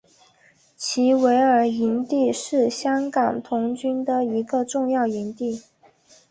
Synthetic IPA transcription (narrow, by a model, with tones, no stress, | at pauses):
t͡ɕʰi˧˥we˧˥ɪə˞˧˥i˧˥nt̪i˥˧ʂɻ̩˥˩ɕjɑ˥ŋkɑ˨˩ŋt̪ʰʊ˧˥ŋt͡ɕy˥nd̪ə˨i˧˥ɡə˧ʈ͡ʂʊ˥˧ŋjɑ˥˩ʊi˧˥nt̪i˥˩